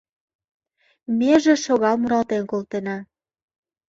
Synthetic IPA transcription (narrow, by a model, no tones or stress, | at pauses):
mʲeʒĕʃoɣɑlˠmuɾɑlt̪enkolˠt̪enɑ